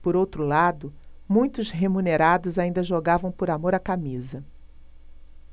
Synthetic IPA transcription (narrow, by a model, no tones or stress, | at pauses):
poɾowt̪ɾʊlad̪ʊmũj̃t̪ʊzɦemũneɾad̪ʊzaĩnd̪ɐʒoɡavɐ̃w̃poɾamoɾakamizɐ